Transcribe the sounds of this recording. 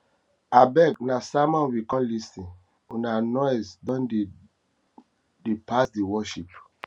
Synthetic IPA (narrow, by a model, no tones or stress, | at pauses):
abɛɡnasamɔ̃nwikɔ̃mlisĩn | unanɔjsdɔ̃nde | depasdiwɔʃip